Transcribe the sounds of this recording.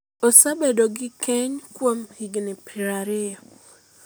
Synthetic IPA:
osabedoɡɪkɛɲkwomhiɡnɪpiɾaɾɪja

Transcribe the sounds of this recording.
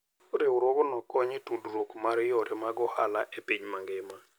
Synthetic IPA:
ɾeuɾwɔɡɔnɔkɔɲɪtudɾokmaɾjɔɾɛmaɡɔhalaʔepiɲmaŋɡɪma

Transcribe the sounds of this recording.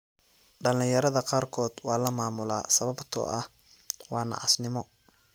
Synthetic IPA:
ɖɐlɪjɐɾɐðɐqɑːrkʰɔːd̪̥wɑːlɐmaːmʊla̰ːsɐβɐbt̪ʰɔ̰ʔɐh | wɑːnɑ̰ʕɑsnɪmɔ

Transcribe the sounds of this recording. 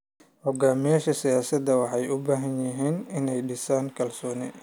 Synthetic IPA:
hɔɡaːmɪjaːʃɐsɪjaːsɐd̪ɐwɑħɑjʊbaːɦɐnjɪɦiːnɪnɛjɖɪsaːŋkʰɐlsɔːnɛ

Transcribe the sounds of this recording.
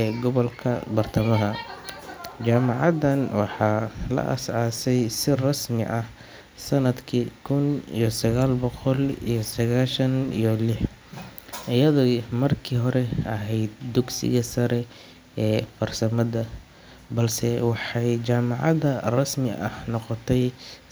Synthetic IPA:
ɛɡɔβɐlkʰɐ̰bɐrt̪ʰɐmɐɦɐ | t͡ʃaːmɑʕɑdɐnwɑħɑːlɐ̰ʔɐ̰sʕaːsɛjsɪrɐsmɪ̰ʔɐh | sɐnɐd̪kʰikʰʊnḭjɔsɐɣaːlbɔqɔlḭjɞsɐɣaːʃɐnḭjɔlɪħ | ʔɪjɐðɔmɐrkʰiːɦɔɾɛɐɦɛjd̪̚d̪ʊɡsɪ̰ɣɐsɐɾɛ | ɛːfɐrsɐmɐðɐ | bɐlsɛwɑħɑjt͡ʃaːmɑʕɑðɐrɐsmɪɐhnɔqɔt̪ʰɛj

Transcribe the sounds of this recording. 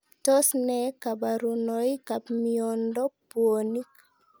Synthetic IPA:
tɔsnɛkabaɾunɔjkapmiɔndɔpuonik

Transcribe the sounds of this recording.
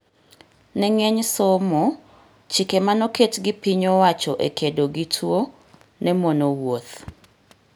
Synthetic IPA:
nɛŋɛɲsɔmo | t͡ʃikemanɔketɡɪpiɲowat͡ʃɔʔḛkʰedoɡitʰwo | nɛmonowot̪

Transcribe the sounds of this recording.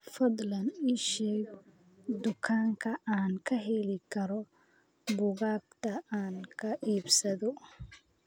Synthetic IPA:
fɐd̪lɐnɪʃɛːɡ | d̪ʊkʰaːŋkʰɐʔaːnkʰɐɦɛlɪkʰɐɾɔ | bʊɣaːb̚t̪ʰɐaːnkʰɐʔiːbsɐðɔ

